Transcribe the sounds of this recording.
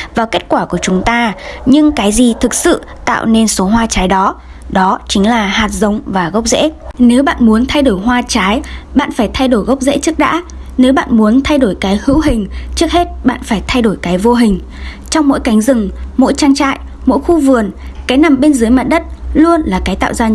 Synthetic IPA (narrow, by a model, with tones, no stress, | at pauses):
vaː˨˩wke˦˥t̚kwaː˧˩ku˧˩ət͡ɕʊ˨˦ŋ͡mt̪aː˧ɲɨ˧ŋkaː˨˦jzi˨˩t̪ʰɨ˨˩k̚sɨ̰˧˨ | t̪a̰ː˧˨wne˧nso˨˦ɦwaː˧t͡ɕaː˨˦jɗɔ˨˦ | ɗɔ˨˦t͡ɕï˨˦ŋ̟laː˨˩haː˨˩t̚zə˨˦wŋ͡mvaː˨˩ɣə˦˥k͡p̚zḛ˧˥ne˨˦wɓa̰ː˧˨nmu˨˦ənt̪ʰa˧jɗo˧˩jɦwaː˧t͡ɕaː˨˦jɓa̰ː˧˨nfaː˧˩jt̪ʰa˧jɗo˧˩jɣə˦˥wk͡p̚zḛ˧˥t͡ɕɨ˦˥ək̚ɗa̰ː˧˥ | ne˨˦wɓa̰ː˧˨nmu˨˦ənt̪ʰa˧jɗo˧˩jkaː˨˦jhɨ̰˧˥wɦï˨˩ŋ̟t͡ɕɨ˦˥ək̚he˦˥t̚ɓa̰ː˧˨nfaː˧˩jt̪ʰa˧jɗo˧˩jkaː˨˦jvo˧ɦï˨˩ŋ̟ | t͡ɕɔ˧wŋ͡mmo̰˧˥jka˨˦jŋ̟zɨ˨˩ŋmo̰˧˥jt͡ɕaː˧ŋt͡ɕa̰ː˧˨j | mo̰˧˥jxu˧vɨ˨˩ənkaː˨˦jna˨˩mɓe˧nzɨː˨˦əjma̰ː˧˨n̚ɗə˦˥t̚lu˧ənlaː˨˩kaː˨˦jt̪a̰ː˧˨wzaː˧